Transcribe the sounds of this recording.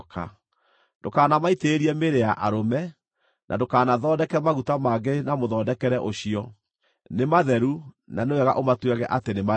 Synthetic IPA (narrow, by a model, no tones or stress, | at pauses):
ka̰ | dokaːnamaiteːɾiɛmeɾeaʔaɾomɛ | nʔa̰dokaːnaðɔːdɛkɛmaɣutamaːɡenamoðɔːdɛkɛɾɛʔoɕiɔ | nemaðɛɾu | nanewɛɣa̰ʔomatwɛɣɛʔatenema